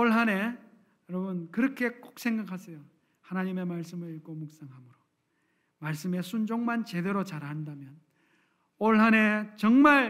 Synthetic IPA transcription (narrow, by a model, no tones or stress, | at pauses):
oɭɦane | jʌɾʌbɯnkɯɾʌkʰe̞k͈ok̚s͈ʰe̞ŋɡakʰasʰʌjo | hanaɲime̞maɭs͈ɯmɯɾiɭk͈omuk̚s͈aŋɦamɯɾo | maɭs͈ɯme̞sʰund͡ʑoŋmant͡ɕe̞de̞ɾot͡ɕaɾɦandamjʌn | oɭɦane̞t͡ɕʌŋmaɭ